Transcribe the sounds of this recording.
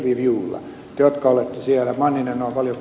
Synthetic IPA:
ʋiʋiulːɑ̰ | t̪ːjot̪kɑolet̪ːesiælæmɑnːinenoimpɑljo

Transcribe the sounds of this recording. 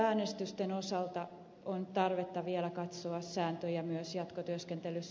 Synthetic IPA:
æːnest̪yst̪enosɑlt̪ɑ | ont̪ɑrʋet̪ːɑʋielækɑt̪soɑsːæːnt̪øjɑmyøsjɑt̪kot̪yøskent̪elys

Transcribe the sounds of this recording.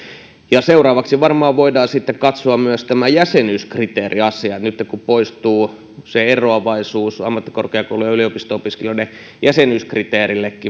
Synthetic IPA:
jɑseurɑːʋɑksiʋɑrmɑːʋʋoidɑːsit̪ːekkɑt̪soɑmmyøst̪æmæjæsenyskrit̪eːriɑsiɑet̪nyt̪ːekkupoist̪uː | seeroɑʋɑisuːsɑ̰mːɑt̪ːi̥korkeɑkoulujɑyliopist̪oopiskelione | jæsenyːskrit̪eːrilːekːi

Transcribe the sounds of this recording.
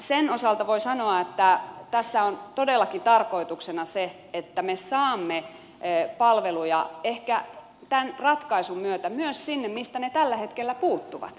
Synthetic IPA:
senosɑlt̪ɑʋoisɑnoɑet̪ːæt̪æsːæont̪odelːɑkit̪ɑrkoit̪uksenɑse | et̪ːæmesɑːmːe | pɑlʋelujɑehkæ | t̪ænrɑt̪kɑisummyøt̪æmyøssinːemmist̪ænet̪ælːæhet̪kelːæpuːt̪ːuʋɑ̰t̪

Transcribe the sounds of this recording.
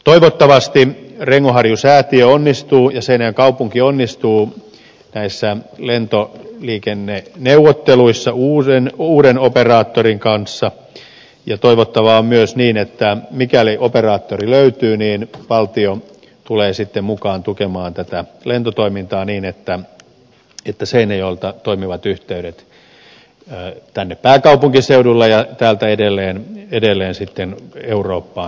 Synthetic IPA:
t̪oiʋot̪ːɑʋɑst̪ireŋːohɑrjusæːt̪iøonːist̪uːjɑsenŋkɑupuŋkionːist̪uː | næisːælent̪oliːkenːeneuʋːot̪ːeluisːɑuːenuːɾenoperɑːt̪ːoriŋkɑnsːɑ | jɑt̪oiʋot̪ːɑʋɑommyøsniːnet̪ːæmikæliʔoperɑːt̪ːoriløyt̪yːniːnʋɑlt̪io | t̪uleːsit̪ːemmukɑːnt̪ukemɑːnt̪æt̪ælent̪ot̪oimint̪ɑːniːnet̪ːæ | et̪ːæseinejolt̪ɑt̪oimiʋɑt̪yht̪eyɾet̪ | t̪ænːeppæːkɑupuŋkiseudulːejɑt̪æːlt̪æedelːeːnedelːeːnsit̪ːeneuroːpːɑː

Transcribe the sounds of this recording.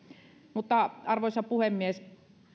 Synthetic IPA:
mut̪ːɑɑrʋoˑisɑpuhemːies

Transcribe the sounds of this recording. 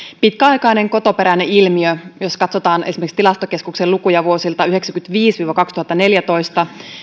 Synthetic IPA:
pit̪kæɑjkɑjne̞ŋko̞t̪o̞pe̞ɾæne̞ilmiøjoskɑt̪sot̪ɑːnesimekst̪ilɑst̪oke̞skukselukujɑʋuo̞silt̪ɑyheksækynt̪ʋiːsʋiːʋokɑkst̪uhɑt̪ːɑne̞ljæt̪o̞jst̪ɑ

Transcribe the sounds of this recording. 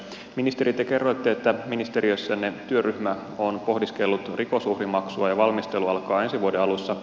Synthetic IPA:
minist̪e̞ɾit̪ːeke̞rːojt̪ːeet̪ːæminist̪e̞ɾiøsːænet̪yøryhmæ | o̞npo̞hdiske̞lːut̪rʔiko̞suhrimɑksuɑjɑʋɑlmist̪e̞luɑlkɑːe̞nsiʋuodeɑlusːɑ

